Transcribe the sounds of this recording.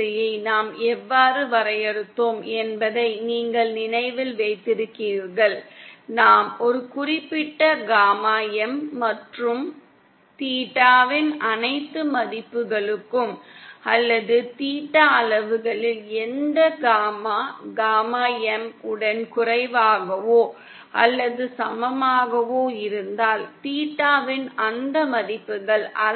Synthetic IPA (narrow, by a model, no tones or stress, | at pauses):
ɐjɐɪnaːmɛʋːaːrɯʋɐɾɐjɛɾɯt̪ːoːmɛnbɐðɐɪniːŋɡɐɭnɪnɐɪʋɪlʋeɪt̪ːɪɾɯkːiːɾɣɐɭnaːmɔɾɯkʊrɪpːɪʈːɐɡaːmaːjɐmːɐʈrɯm | t̪iːʈːaːʋɪnʔɐnɐɪt̪ːɯmɐðɪpːɯɣɐɭɯkːɯmɐlːɐðɯt̪iːʈːɐːlɐʋɯɣɐɭɪlɛnd̪ɐɡaːmaːɡaːmaːjɐmɯɽɐnkʊrɐɪʋaːɣɐʋoː | ʔɐ̰lːɐðɯsɐmɐmaːɣɐʋoːɪɾɯnd̪aːlt̪iːʈːaːʋɪnɐnd̪ɐmɐðɪpːɯɣɐɭɐ